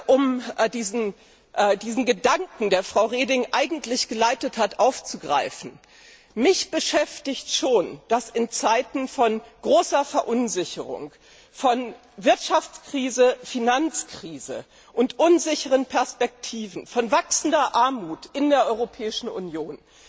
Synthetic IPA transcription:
ʔʊmdiːzn̩ | ʔːdiːzn̩ɡədaŋkŋ̩deːɐfʁ̥aʊʁeːdɪŋʔaɪɡŋ̩tlɪçɡ̥əlaɪtəthatʔaʊft͡suɡʁa̰ɪfn̩ | mɪçb̥əʃɛftɪçtʃoːnd̥asɪnt͡saɪtn̩fɔnɡ̥ʁoːsɐfɛɐʔʊnzɪçəʁʊ̰ŋ | fɔn | vɪɐtʃaft͡skʁ̥iːzəfinant͡skʁ̥iːzə̰ | ʔʊntʔʊnzɪçəʁənpʰɛɐspɛk̚tʰiːvn̩fɔnvaksn̩dɐʔaɐmuːtʔɪndeːɐʔɔʏʁopʰɛːɪʃn̩ṵnjoːn

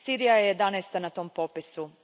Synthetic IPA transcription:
siːɾijajejed̪anɛst̪anat̪o̞ːmpopisu

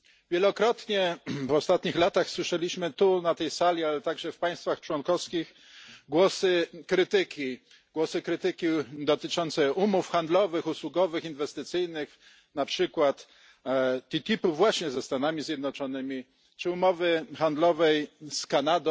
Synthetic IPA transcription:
vʲjɛlɔkɾɔt̪ɲɛvɔst̪at̪ɲixlat̪axswɘʂɛlʲiɕmɘt̪unat̪ɛjsalʲialɛt̪aɡʐɛfpaj̃st̪faxt͡ʂwɔnkɔfskʲix | ɡwɔsɘkɾɘt̪ɘkʲi | ɡwɔsɘkɾɘt̪ɘkʲid̪ɔt̪ɘt͡ʂɔnt̪sɛumufxand̪lɔvɘxuswuɡɔvɘxinvɛst̪ɘt̪sɘjnɘx | napʂɘkwat̪ | t̪ːit̪ʲipuvwaɕɲɛzɛst̪anamʲizʲjɛd̪nɔt͡ʂɔnɘmʲi | t͡ʂɘumɔvɘxand̪lɔvɛjskanad̪

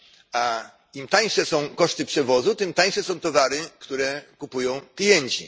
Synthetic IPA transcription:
a | imt̪aj̃ʂɛsɔ̃w̃kɔʂt̪ɘpʂɛvɔzut̪ɘmt̪aj̃ʂɛsɔ̃w̃t̪ɔvaɾɘkt̪uɾɛkupujɔ̃w̃klʲijɛɲt͡ɕḭ

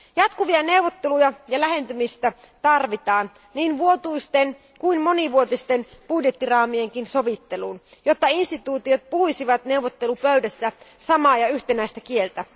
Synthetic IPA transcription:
jɑt̪kuʋiɑne̞uʋːˑot̪ːelujɑjɑlæɦe̞nt̪ymist̪æ | t̪ɑrʋit̪ɑːn | niːnʋuot̪uist̪en | kuinmo̞niʋuot̪ist̪enpudjet̪ːirɑːmieŋkinso̞ʋit̪ːeluːnjot̪ːɑinst̪it̪uːt̪iot̪̚puhisiʋɑt̪ne̞uʋːot̪ːe̞lupøydæsːæsɑmɑːjɑyht̪enæist̪ækie̞lt̪æ

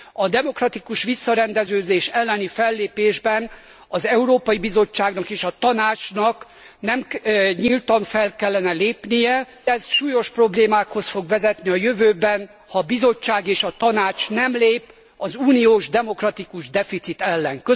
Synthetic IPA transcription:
ɒd̪ɛmo̞krɒt̪ikuʃʋisːɒɾɛnd̪ɛzøːd̪eːʃɛlːɛnifɛlːeːpeːʒbɛn | ɒzɛuɾoːpɒjibizo̞t͡ʃːaːɡnɒkeːʃɒt̪ɒnaːt͡ʃnɒk | nɛmɲilt̪ɒɱfɛlkɛlːɛnɛleːpnijɛ | ɛzʃuːjo̞ʃpro̞bleːmaːkho̞sfo̞ɡʋɛzɛt̪niɒjøvøːbɛn | hɒbizo̞t͡ʃːaːɡeːʃɒt̪ɒnaːt͡ʃnɛmleːp | ɒzuːnijoːʒd̪ɛmo̞krɒt̪ikuʒd̪ɛfit̪sit̪ɛlːɛŋkø

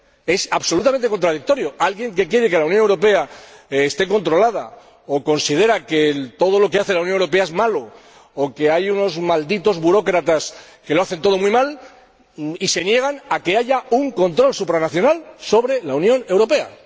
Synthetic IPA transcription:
e̞saβso̞lut̪ament̪ekont̪ɾað̞ik̚t̪o̞ɾjo̞alɣje̞ŋke̞kje̞ɾe̞ke̞lauwnjonewɾo̞pe̞aːst̪e̞ko̞nt̪ɾo̞lað̞a̰ | oko̞nsið̞e̞ɾake̞t̪o̞ð̞o̞lo̞ke̞aθe̞launjonwɾo̞pe̞aezmalo̞ː | ke̞ajuno̞zmald̪it̪o̞zβuɾo̞kɾat̪as | ke̞loaθe̞nt̪o̞ð̞o̞mwuimal | ise̞nje̞ɣ̞anake̞aʝauŋko̞nt̪ɾo̞lsupɾanaθjo̞nalso̞βɾe̞launjõ̞ne̞wɾo̞pe̞a̰

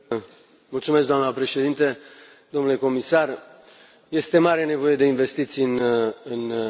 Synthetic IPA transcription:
mult̪sumes̬ɡd̪oamnəpɾe̞ʃe̞d̪int̪e | d̪̥omnule̞ko̞misar | je̞st̪e̞maɾe̞ne̞vo̞je̞d̪e̞inve̞st̪it̪sijɨnɨn

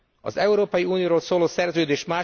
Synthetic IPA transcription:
ɒ̰zɛuɾoːpɒjiuːnijoːɾoːlsoːloːsɛrzøːd̪eːʃmaː

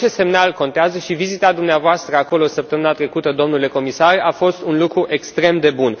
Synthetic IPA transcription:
e̞st̪se̞mnalko̞nt̪eazəʃivizit̪ad̪umneavoast̪ɾəako̞lo̞səp̚t̪əmɨnat̪ɾe̞kut̪əd̪o̞mnule̞ko̞misaɾʔafo̞st̪unlukɾuʔe̞kst̪ɾe̞md̪e̞bun

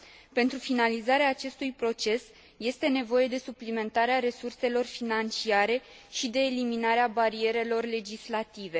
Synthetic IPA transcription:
pe̞nt̪ɾufinalizaɾeaːt͡ʃe̞st̪ujpɾo̞t͡ʃe̞s | je̞st̪e̞ne̞vo̞je̞d̪e̞suplime̞nt̪aɾeaɾe̞surse̞lo̞rfinant͡ʃiaɾe̞ | ʃid̪e̞ːliminaɾeabaɾie̞ɾe̞lo̞rle̞d͡ʒislat̪ive̞

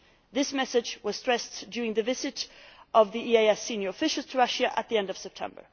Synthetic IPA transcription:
ðɪsmɛsɨd͡ʒwʌz̥tɹ̥ɛsd̥ʊɹɪ̃ŋðɨvɪzɨɾʔʌvðiieɪɛsĩnjə˞əfɪʃl̩ˠz̥tʰəɹʌʃɨʔət̪̚ðiɛ̃ndʌv̥sɛp̚tʰɛ̰̃mbə̰˞

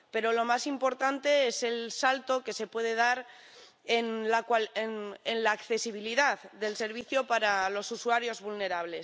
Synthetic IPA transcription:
pe̞ɾo̞lo̞masimpo̞ɾt̪ant̪e̞ese̞lsalt̪o̞ke̞se̞pwe̞ð̞e̞ð̞aɾ | enlakwalnenlaːkθe̞siβ̞iliðaððe̞lse̞ɾβ̞iθjo̞paɾalo̞suswaɾjo̞zβulne̞ɾaβ̞le̞s

